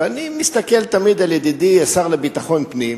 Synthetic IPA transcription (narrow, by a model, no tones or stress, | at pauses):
animist̪ake̞lt̪amid̪aljed̪id̪iesaʁlebit̪aχo̞npnim